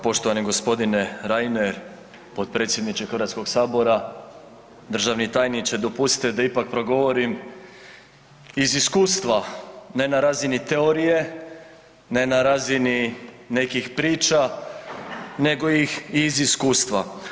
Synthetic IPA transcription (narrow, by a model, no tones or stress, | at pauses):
po̞ʃt̪oʋaniɡo̞spo̞d̪ine̞ɾajneɾ | po̞t̪̚pɾe̞ːt̪sjed̪nit͡ʃexɾrɾʋat̪sko̞ɡsaːbo̞ɾa | d̪r̩ʒaʋnit̪aːjnit͡ʃ̪ed̪o̞pust̪i̥t̪ed̪aipak̚pɾo̞ɡo̞ʋo̞ɾim | iziskuːst̪ʋane̞naɾaːzinit̪e̞o̞ɾije̞ | ne̞naɾaːzinine̞kixpɾiːt͡ʃa | ne̞ɡo̞jixiziskuːst̪ʋa